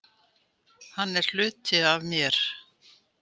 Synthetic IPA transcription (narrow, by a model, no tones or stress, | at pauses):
hanːɛɾ̥l̥ʏːt̪ɪavmjɛɾ̥